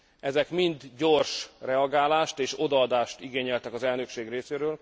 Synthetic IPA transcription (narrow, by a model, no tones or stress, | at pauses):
ɛzɛkmind̪ɟo̞rʃrɛɒɡaːlaːʃt̪eːʃo̞d̪ɒɒd̪aːʃt̪iɡeːɲɛlt̪ɛkɒzɛlnø̞kʃeːɡreːseːɾøːl